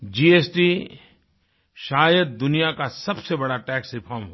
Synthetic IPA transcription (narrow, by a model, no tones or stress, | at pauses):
d͡ʒiːeːsʈi | ʃaːjəd̪̚d̪ʊnijakasɐbsebɐɽaʈɛːksɾɪpʰaːɾmɦo